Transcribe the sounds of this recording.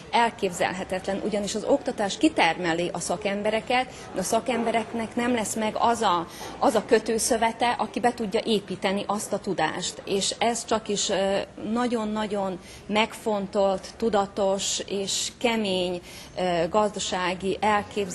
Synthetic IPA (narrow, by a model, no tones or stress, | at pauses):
ɛlkeːbzɛ̰lɦɛt̪ɛt̪lɛnʔṵɟɒniʃɒzo̞kt̪ɒt̪aːʃkit̪ɛrmɛliːʔɒsɒkɛmbɛɾɛkɛt̪ | d̪ɛɒsɒkɛmbɛɾɛknɛknɛmlɛsmɛɡɒzɒɒzɒkø̞t̪øːsøvɛt̪ɛʔɒkibɛt̪uɟːɒʔeːpiːt̪ɛniʔɒst̪ɒt̪ud̪a̰ːʃt̪eːʃɛst͡ʃɒkiʃnɒɟo̞nːɒɟo̞n | mɛkfo̞nt̪o̞lt̪ːud̪ɒt̪o̞ʃeːʃkɛmeːɲ | ɡɒzd̪ɒʃaːɡiʔɛlkeːbz